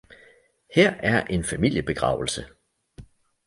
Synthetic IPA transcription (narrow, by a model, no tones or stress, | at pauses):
hɛɐ̰ʔæɐʔe̝nfæmil̰jəb̥e̝ɡ̥ʁɑ̰̈ʊl̩sə